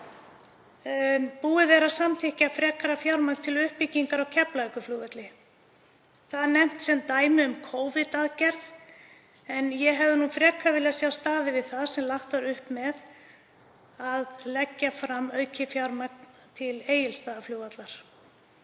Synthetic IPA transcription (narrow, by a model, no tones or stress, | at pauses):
puːɪvɛːɾasamt̪ʰɪhcɪafɾɛːkʰaɾafjawɾmak̪t̪ʰɪlʏhpːiciŋkaɾawcʰɛplakʏfluvɛt̪lɪ | θaðanɛm̥t̪sɛmt̪aːjmɪʏmkʰoːwvɪt̪aðcɛɾð | ɛnjɛɦɛvðɪnufɾɛːkʰavɪlasjawst̪aːðɪvɪðθaðsɛmlaht̪vaɾʏhpmɛð | aðlɛcːafɾamːœːɥcʰɪfjawɾmak̚n | t̪ʰɪleːjɪlst̪aːðafluːwat̪laɾ̥